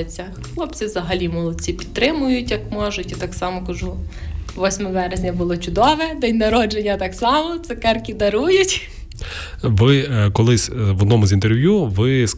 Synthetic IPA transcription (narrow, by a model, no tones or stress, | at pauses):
ɪt͡sʲːɐ | xlˠɔpt͡sʲiʋzɐɦɐlʲimʊlˠɐt͡sʲipʲi̥t̪̚t̪ːɾɪmʊjʊtʲjɐkmɔʒʊtʲit̪ɑksɑmɔkɐʒuʋɔsʲmɔʋɛɾezʲnʲɐbʊlˠɔt͡ʃʊd̪ɔʋɛd̪ɛjʲnɐɾɔd͡ʒenʲːɐt̪ɑksɑmɔt̪sɛkɛrkʲid̪ɐɾujʊtʲ | ʋɪkɔlˠɪsʲʋɔd̪nɔmʊzʲint̪erʋʲjuʋɪs